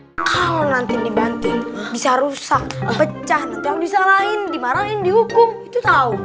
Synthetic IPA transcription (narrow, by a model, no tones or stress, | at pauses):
kʰaɔnant̪ɪdibant̪ɪnbisaɾusak̚pət͡ʃaht̪ət̪abisalaɪndimanalaɪndihukʊmit̪ut̪au